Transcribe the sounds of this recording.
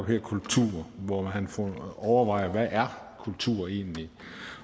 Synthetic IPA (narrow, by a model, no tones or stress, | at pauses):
b̥hɛɐ̰kʰult͡sʰṵːɐ̰ʋɒmænfɔɒʊɐʋɑ̈ɪ̰ɐʋæʔæɐ | kʰult͡sʰṵːɐe̝̰ːnli